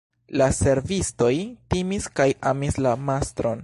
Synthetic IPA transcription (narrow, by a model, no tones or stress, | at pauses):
lase̞ɾvisto̞jtimiskajamislamastɾo̞n